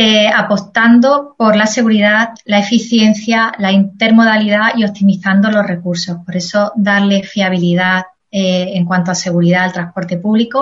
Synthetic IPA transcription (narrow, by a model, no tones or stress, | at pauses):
eapo̞st̪and̪opo̞ɾlase̞ɣ̞uɾiðatlae̞fiθje̞n̟θjalaint̪e̞ɾmo̞ð̞aliðaio̞t̪imiθand̪o̞lo̞rre̞kuɾso̞hpo̞ɾe̞so̞ðaɾle̞fiaβ̞iliðat | eːŋkwant̪oase̞ɣ̞uɾiðaːlt̪ɾahpo̞ɾt̪e̞puβliko